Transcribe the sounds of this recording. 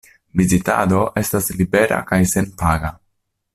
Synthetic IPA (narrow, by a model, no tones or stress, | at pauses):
vizita̰do̞ʔe̞staslibe̞ɾa̰kajse̞npaɡa